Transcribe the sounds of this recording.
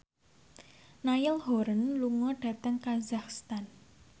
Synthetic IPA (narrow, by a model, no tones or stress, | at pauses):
najɪlhoɾənluŋɔɖ̥ä̤t̪əŋkazaxst̪an